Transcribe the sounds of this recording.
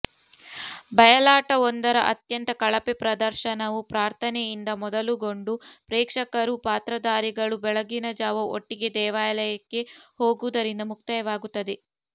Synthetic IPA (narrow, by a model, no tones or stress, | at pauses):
bɐjɐlaːʈɐond̪ɐɾɐʔɐt̪jɐnt̪ɐkɐɭɐpepɾɐd̪ɐɾʃɐnɐʋupɾaːɾt̪ʰɐnɛjind̪ɐmɔd̪ɐluɡo̞ɳɖupɾɛːkʂɐkɐɾupaːt̪ɾɐd̪aːɾiɡɐɭubɛɭɐɡinɐd͡ʒaːʋɐo̰ʈːiɡe̞d̪ɛːʋaːjlɐjɐkːe̞ho̞ːɡud̪ɐɾind̪ɐmuk̚t̪ɐjɐʋaːɡut̪ːɐd̪e̞